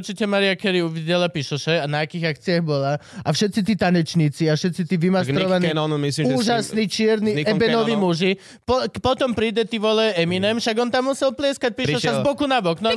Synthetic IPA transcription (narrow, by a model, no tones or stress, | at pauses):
uɾt͡ʃicɛmaɾiakɛɾiuʋiɟɛlapiʃɔʃɛanaːkiːɣakt͡siaɣbɔlaafʃɛt̪t͡sit̪̬iːt̪aɲɛt͡ʃɲiːt͡siafʃɛt̪t͡sit̪iːʋimasɾɔʋaninɔnmisliuːʒasniːt͡ʃɪɛɾniɛbɛnɔʋimuʒi | pɔpɔt̪ɔmpɾiːd̪ɛt̪iːʋɔlɛɛminɛmʃaɡɔnt̪amːusɛlplɪɛskac̚piɾʃɔʃazbɔkunabɔknɔ